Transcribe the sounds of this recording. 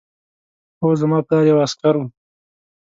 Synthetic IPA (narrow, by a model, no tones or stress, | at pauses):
ozamɑːplɑːɾjawaskaɾu